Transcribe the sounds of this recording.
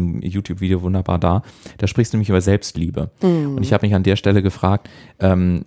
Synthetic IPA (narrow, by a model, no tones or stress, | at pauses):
mjuːtjuːpv̥iːdejoːvʊndɐba̰ːɐdaːd̥aːʃpʁɪçstdunɛmɪçʔyːbɐzɛlpstliːbə̰ʊntɪçhaːbəmɪçandeːɐʃtɛləɡəfʁ̥aːk̚tʔɛːm